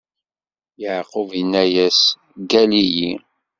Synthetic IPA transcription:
jəʕqovənːæjæs | ɡæliji

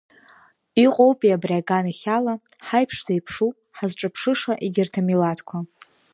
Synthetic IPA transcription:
iqʼowpʼiabraɡaniχʲala | ħajpʰʂzajpʰʂu | ħazʈ͡ʂʼɨpʰʂɨʂaʔiɡʲɪrtʰamilatʰkʷʰa

